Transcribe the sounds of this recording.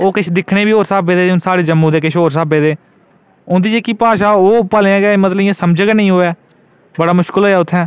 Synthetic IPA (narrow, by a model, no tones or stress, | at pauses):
oːkɪt͡ʃʰd̪ɪkʰɽeːbiːɦoːɾsaːbeːd̪eːʊnsaːɽeːd͡ʒəmːũːd̪eːkɪʃʰɦoːɾs̬aːbeːd̪eː | ʊnd̪iːd͡ʒeːkiːpaːʃaːoːpəlẽãːɡɛːmət̪ləijãːsəmd͡ʒəɡɛnəĩːɦoːɛː | bəɽaːmʊʃkəlɦoːɛːʊt̪ʰːɛ̃ː